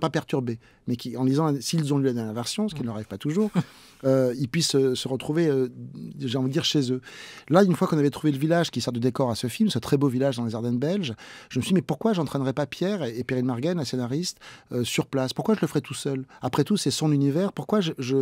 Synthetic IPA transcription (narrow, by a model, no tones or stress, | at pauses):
papɛʁt̪yʁbe | mɛkʲiɑ̃lizɑ̃siːlzɔ̃lylad̪ɛʁmjɛʁvɛʁsjɔ̃sə̥kinələʁaʁivpat̪uʒuːʁ | øilpɥisøsːəʁət̪χuveøʒeɑ̃vid̪d̪iʁʃezølaynfwakɔ̃navɛt̪χuveləvilaʒkʲisɛʁt̪d̪əd̪ekɔʁasəfilmsət̪χɛbovilaʒd̪ɑ̃leʒaʁd̪ɛ̃nbɛlʒʒ̥əməsɥid̪imɛpuʁkwaʒɑ̃t̪χɛnʁɛpapjɛʁeːpeʁinmaʁɡɛnlasenaʁist̪øsyʁplaspuʁkwaʒələfəʁɛt̪ʰusœlapχɛt̪usɛsɔ̃nynivɛːʁpuʁkwaʒəʒə